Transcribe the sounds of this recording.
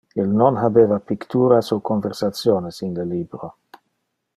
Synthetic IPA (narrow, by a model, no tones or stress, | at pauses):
ilnonɦabeːvapikt̪uːɾasokonveɾsat̪sjoːnesinleliːbɾo